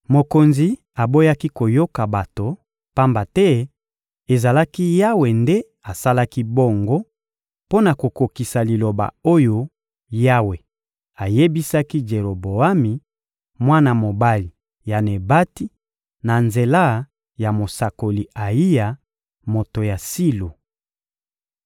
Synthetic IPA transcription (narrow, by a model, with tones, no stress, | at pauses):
mo˨ko˨nzi˨ | a˨bo˦ja˦ki˦ko˨jo˦ka˨ba˨to˨ | pa˦mba˨tɛ˦ | e˨za˨la˦ki˦ja˦we˨nde˦ | a˨sa˦la˦ki˦bo˦ŋɡo˦ | po˦na˨ko˨ko˨ki˨sa˨li˨lo˨ba̰˨o˦jo˦ | ja˦we˨ | a˨je˦bi˦sa˦ki˦d͡ʒe˨ʁo˨bo˨a˦mi˨ | mwa˦na˨mo˨ba˦li˨ | ja˨ne˨ba˦ti˦ | na˨nze˨la˦ | ja˨mo˨sa˨ko˨li˨a˨i˦ja˨ | mo˨to˨ja˨si˦lo˨